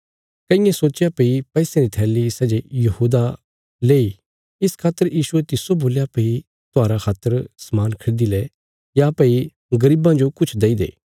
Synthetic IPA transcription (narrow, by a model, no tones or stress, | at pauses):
kɐɪ̃jẽsoːt͡ʃjapeipɛisẽɾit̪ʰɛːlisɛːd͡ʒejɐhuːd̪a | leːi | ɪskʰaːt̪ːəɾjiːʃuet̪ɪsoboːljapei | t̪ʊaːɾakʰaːt̪ːəɾsɐmaːnkʰɐɽd̪ilɛ | japɐi | ɡɐɾiːbãd͡ʒokʊt͡ʃʰd̪eːid̪ḛː